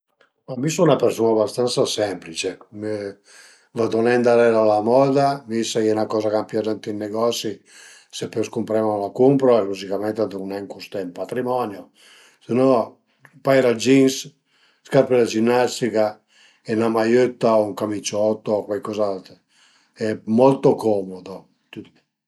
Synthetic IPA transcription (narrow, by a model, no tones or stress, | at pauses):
mamːisunapeɾsunabast̪ant̪sasɛmplit͡ʃeme | vad̪onɛnd̪alɛɾalamɔːd̪avisakɛnakɔːzakampjad̪ɛnt̪inːeɡɔsi | sepːøskumpɾɛmanlakumpɾoɛluzikamɛnt̪ead̪unɛŋkust̪ɛimpat̪ɾimɔnjo | senɔ | pajɾad͡ʒins | skaɾpelad͡ʒinːast̪ika | ɛnamajøt̪ːauŋkamit͡ʃːɔt̪ːokwajkɔzalt̪ | ɛmɔlt̪okɔmod̪o | t̪u